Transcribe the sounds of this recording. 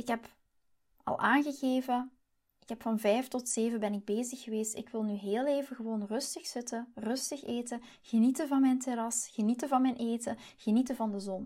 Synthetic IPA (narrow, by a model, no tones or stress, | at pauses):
ɪkɦɛp | ɑ̰lˠʔaːnɣəɣeːvə | ɪkɦɛpfɑnvɛjftɔtseːvəbɛnɪɡ̚beːzəxːəʋeːstɪ̰kʋɪlˠnyɦeːlˠeːvəɣəʋoːnrɵstəxsɪtərɵstəxeːtə | ɣənitəvɑnmɛjnteɾɑsxənitəvɑnmɛjnʔeːtəɣ̥ənitəvɑndəzɔn